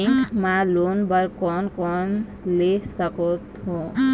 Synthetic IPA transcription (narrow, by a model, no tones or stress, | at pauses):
kmalonbəɾkɔnkɔnlesəkɔt̪ɦo